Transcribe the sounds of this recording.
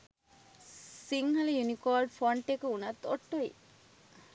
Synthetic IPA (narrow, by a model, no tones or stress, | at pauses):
siŋɦɐləjunikoːlɖfoɳʈekəunɐt̪ːoʈːoḭ